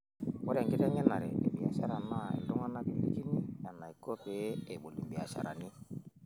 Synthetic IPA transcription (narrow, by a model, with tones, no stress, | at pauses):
wɔ˦ɾɛ˨ŋɡɪ˦tɛ˦ɲɛ˦na˨ɾɛ̰˨e˨bi˨a˨ʃa˦ɾa˨na˦ḛ˨ndo˦ŋa˦na˦bi˦lḭ˦ki˦ni˦ɲa˨na˨i˨ko˦pe˨˦e˨ɓo˨li˨mbi˨a˨ʃa̰˨ɾa̰˨ni˦